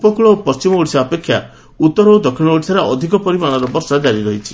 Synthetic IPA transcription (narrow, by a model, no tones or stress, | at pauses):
pɔkuɭɔpɔst͡ʃimɔoɽisaːpekʰːja̰ | ut̪ːɔɾɔod̪ɔkʰiɭ̃ɔoɽisaɾaʔɔd̪ʱikɔpɔɾimañɔɾɔbɔɾsad͡ʒaɾiɾɔɦit͡ʃʰi̥